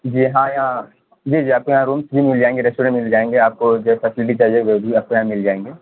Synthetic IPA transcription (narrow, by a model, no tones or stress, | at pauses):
d͡ʒiːɦãjɐɦã | d͡ʒiːd͡ʒiːaːp̚kojɐɦãɾuːmsbʱimɪld͡ʒaːẽːŋɡeɾɛsʈuːɾə̃ʈmɪld͡ʒaːẽːŋɡeaːp̚kod͡ʒofɐsɪlɪʈ̬it͡ʃaɦd͡ʒeɡobʱiaːp̚kojɐɦãmɪld͡ʒaːẽːŋɡeː